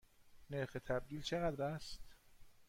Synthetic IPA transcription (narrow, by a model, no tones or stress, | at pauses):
neɾxet̪ʰæb̚d̪iːlt͡ʃʰeɣæd̪ɾæst̪